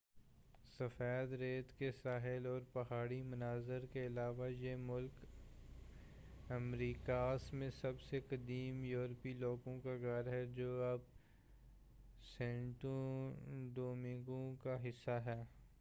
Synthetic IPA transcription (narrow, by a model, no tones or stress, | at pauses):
sɐfɛːd̪ɾeːt̪kesaːɦɪlɔːɾpɐɦaːɽimʊnaːzəɾkeɪlaːʋajemʊlk | ɐmɾiːkaːsmẽsɐbsekɐd̪iːmjuːɾpiloːɡõkaɡɐɾɦɛd͡ʒoːɐb | sɛ̃ːɳʈõ | ɖ̪oːmɪ̃ŋɡõkaɦɪsːaɦɛː